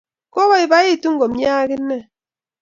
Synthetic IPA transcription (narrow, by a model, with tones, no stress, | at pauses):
ko˦βɔ˦ɪ˨ba˦e˦˨tu˦ŋ˦ɡo˨m˦ja˦kɪ˦nːɛ˦˨